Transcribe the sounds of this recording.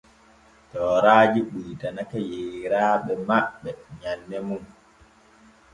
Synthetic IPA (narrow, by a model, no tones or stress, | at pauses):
tɔːɾaːd͡ʒiɓiːtanakajeɾaːɓɛmaɓːɛɲanːɛmum